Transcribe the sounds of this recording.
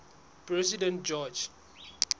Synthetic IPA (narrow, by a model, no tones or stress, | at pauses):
pɹɛsidɛ̃nt̚d͡ʒɔd͡ʒ